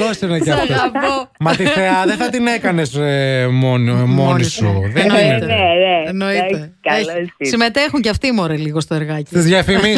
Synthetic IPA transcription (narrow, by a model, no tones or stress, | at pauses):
osineceɐft̪oɐpo | mɐt̪iθeɐðeθɐt̪ine̞kɐnesmonmonisuðenit̪eeenoit̪e | eçsime̞t̪exuɲceɐft̪imoɾeliɣo̞st̪oeɾɣɐciizðʝɐfimi